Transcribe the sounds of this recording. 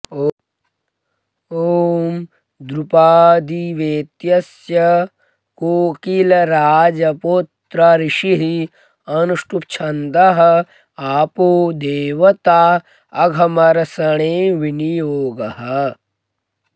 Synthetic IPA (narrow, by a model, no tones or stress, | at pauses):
oːm | d̪ɾupaːd̪iʋeːt̪jɐs | jɐ | koːkilɐɾaːd͡ʒɐpot̪ɾɐɾiʃiɦi | ɐnuʂʈup̚t͡ʃʰɐnd̪ɐɦɐ̆ | aːpoːd̪eːʋɐt̪aː | ɐɡʱɐmɐɾɐsɐɳ̃eːʋinijoːɡɐɦɐ